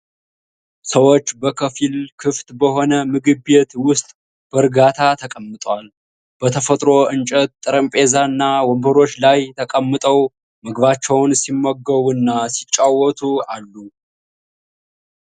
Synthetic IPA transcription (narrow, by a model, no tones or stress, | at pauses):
səwo̞t͡ʃːbəkʰəfilkʰɨft̪ʼbəɦo̞nəmɨɡɨbet̪wʊst̪ʼ | b̥əɾɡat̪ʰat̪ʰəkʼəmːɨt̪ʼwal | b̥ət̪ʰəfət̪ʼɾo̞ʔɨnt͡ʃʼət̪̚t̪ʼɨɾəmpʼe̞zanːawɔmbəɾo̞t͡ʃːlajt̪ʰəkʼəmːɨt̪ʼəw | məɡβat͡ʃːɛwnsimːəɡːəβunːasit͡ʃʼːawːɔt̪ʰualːu